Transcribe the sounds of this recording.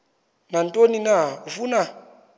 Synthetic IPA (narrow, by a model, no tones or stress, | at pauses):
nantʼoninaufuna